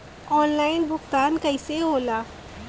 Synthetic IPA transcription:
ɔːnlaːɪnbʱʊɡt̪aːnkɐɪseɦoːlaː

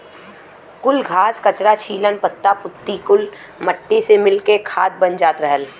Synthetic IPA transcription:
kʊlɡʱaːskɐt͡ʃɾat͡ʃʰiːlənpət̪ːapʊt̪ːikʊl | məʈːesemɪlkekʰaːd̪̚bənd͡ʒaːt̪ɾəɦəl

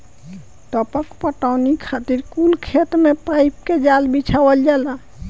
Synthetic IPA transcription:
t̪əpəkpəʈawnikʰat̪iɾkulkʰet̪mepajp̚ked͡ʒalbit͡ʃʰawəld͡ʒala

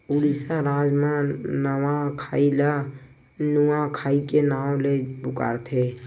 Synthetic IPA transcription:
ʊlisãɾaːd͡ʒmãnəwãkʰaːila | nʊãkʰaːikenaːõlebʊka̰ːɾt̪ʰeː

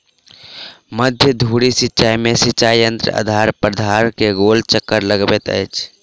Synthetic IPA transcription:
məd̪ʱjəd̪ʱuɽisitːʃajmesitːt͡ʃajjənt̪ɾə̰ə̰d̪ʱaɾpəɾd̪ʱaɾkeɡolt͡ʃəkːəɾləɡbɛt̪ə̰jt͡ʃʰ

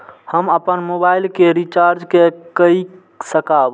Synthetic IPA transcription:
həməpənmobailkeɾit͡ʃaɾd͡ʒkekəi | səkab

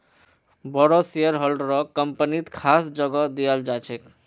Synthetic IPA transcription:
bɔɽɔseəɾɦəlɖɾɔkəmpənit̪kʰasd͡ʒəɡɔd̪ijəld͡ʒat͡ʃʰek

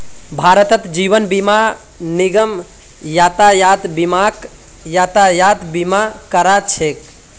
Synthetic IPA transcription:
bʱaɾət̪ət̪d͡ʒiʋənbima | niɡəm | jat̪ajat̪bimak | jat̪ajat̪bimakəɾat͡ʃʰek

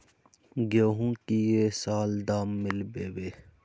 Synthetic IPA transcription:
ɡoːɦũːkiːeːsaːld̪aːmːɪlbeːʋeː

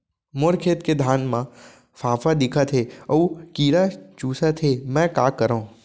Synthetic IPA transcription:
moɾkʰeːt̪ked̪ʱaːnmã | faːfad̪ikʰat̪ʰeəũkiːɾat͡ʃuːsat̪ʰemɛ̃kaːkəɾə̃

